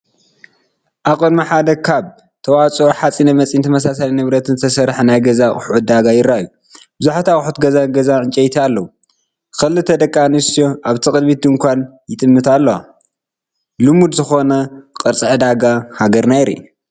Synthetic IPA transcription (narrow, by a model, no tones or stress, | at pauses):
ʔakʼonmaħad̪ɐkʰaβ | t̪ʰɐwat͡sʼoħat͡sʼinɐmɐt͡sʼint̪ʰɐmɐsasalinɨβɾɐt̪ʰɨnzt̪ʰɐsɐɾħnajɡɐzakʼɨħʔut̪̚d̪aɡajɪɾaju | bɨzuħat̪ʰakʼħut̪ɡɐzaɡɐzaʕɨnt͡ʃʼɐjt̪ʰialːɐwu | kɐlɨt̪ʰɐd̪ɐkʼːanɨst̪ijoʔaβt̪ʰikʼɨd̪mit̪̚ɨŋkʷʰanjɪt̪ʼɨmːɨt̪ʰalːɐwa̰ | lɨmud̪zɨxo̞nɐqʼɨɾt͡sʼɨʕɨd̪aɡahaɡɐɾnajɾḭ